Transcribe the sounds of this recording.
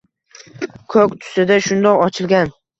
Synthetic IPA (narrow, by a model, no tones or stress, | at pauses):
kʰɵkʲt̪ʰʊ̥sɪd̪aʃʊnd̪ɒqɒt͡ʃʰɪlˠɡʲan